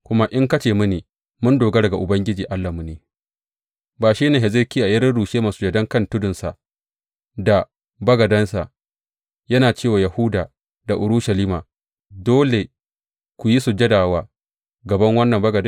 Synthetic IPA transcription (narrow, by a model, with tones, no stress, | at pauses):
kʷʊ˦ma˦ʔɪ˦ŋkɐ˦t͡ʃeː˨mʊ˦neː˨ | mʊ˦ndoː˨ɡa˦dɐ˨ɡa˨ʔʊ˨bɐ˦ŋɡʲɪ˦d͡ʒiː˨ʔa˦lːa˨mʊ˨neː˨ | baː˨ʃiː˦neː˨ɦɛ˨zɪ˦kʲiː˦ʔa˨jɐ˦ɾɪ˦ɽuː˨ʃeː˦ma˨sʊ̥˦d͡ʒɛ˨dɐ˦ŋkɐ˦˨ntʊ˦dʊ˨nsa˨ʔ | da˨ | bɐ˦ɡɐ˨dɐ˦nsa˨ʔ | jɐ˦naː˨t͡ʃeː˦˨waː˨ja˨hu˦daː˨ | da˨ʔʊ˨ɾʊ˦ʃɐ˨liː˦ma̰ː˨ | doː˦le˨ | kʷʊ˨ji˦su˨d͡ʒɛ˦daː˨waː˦ | ɡɐ˨bɐ˦ŋwɐ˦nːɐ˨mbɐ˦ɡɐ˨d